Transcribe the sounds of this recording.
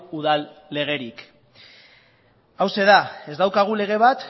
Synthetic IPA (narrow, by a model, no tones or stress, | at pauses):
uðalːe̞ɣ̞e̞ɾik | awse̞ðae̞zd̪awkaɣ̞ule̞ɣ̞e̞β̞at̪